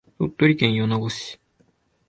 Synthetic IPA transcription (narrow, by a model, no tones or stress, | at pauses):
t̪ot̪ːoɾʲikẽɰ̃jonaɡoɕi̥